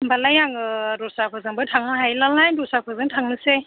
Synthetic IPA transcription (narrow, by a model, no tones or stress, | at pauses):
mbalajaŋɯɾɔsapʰɔzaŋbɯtʰaŋaɦajlalnajndɔsapʰazaŋtʰaŋnɯse